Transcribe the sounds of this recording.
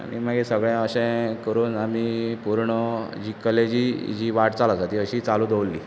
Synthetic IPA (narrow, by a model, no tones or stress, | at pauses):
a̰mḭːm̤əɡesəɡɭãəɕɛ̃kəɾuːnamiːpuɾɳəd͡ʑiːkəled͡ʑid͡ʑiːʋaʈt͡salasat̪iəɕiːt͡saluːd̪ʱəʋlːḭː